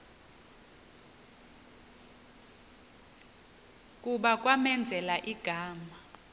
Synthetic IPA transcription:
kʼuɓak̬ʼwamɛnd͡zʱɛlaʔiɡ̥ʱaːma

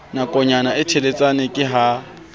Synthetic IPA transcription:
nakʼɔɲanaɪtʰelet͡sʼanekʼɪɦa

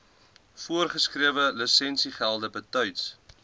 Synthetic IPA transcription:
fuərχəskriəvələsɛnsiχælˠdəbətœɥts

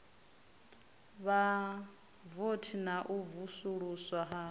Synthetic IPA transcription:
βa | votʰinaʔuvusuɺuswaɦa

